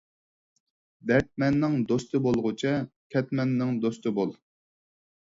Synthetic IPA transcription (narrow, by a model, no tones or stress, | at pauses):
b̪ɛɾt̪̚mɛnːɪŋd̪ost̪ɨbolˠʁʊt͡ʃʰɛkʲʰɛt̪mɛnːɪŋd̪ost̪ɨbolˠ